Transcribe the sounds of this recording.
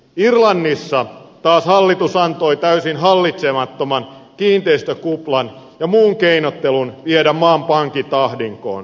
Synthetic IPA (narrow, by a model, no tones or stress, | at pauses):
irlɑnːisːɑt̪ɑːshɑlːit̪usɑnt̪oit̪æysinɦɑlːit̪semɑt̪ːomɑnkiːnt̪eist̪økuplɑn | jɑmuːŋkeinot̪ːelunʋiedæmmɑːmpɑŋkit̪ɑhdiŋko̰ːn